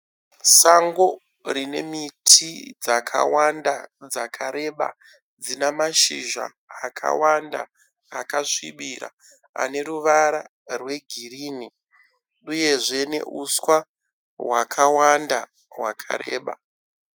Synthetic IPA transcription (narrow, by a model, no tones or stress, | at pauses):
saŋɡo̞ | rine̞̰mitʰid͡zakʰa̰wandad͡zakʰaɾe̞ɓa̰ | d͡zinamaʃiʒa̰ː | kʰa̰wanda̰ː | kaʂiɓiɾa̰ | a̰ne̞ɾuʋaɾa | rwe̞ɡʱiriːni | uje̞ʐe̞ne̞̰ʔuswa | wakʰawanda | wakʰa̰ɾe̞ːɓa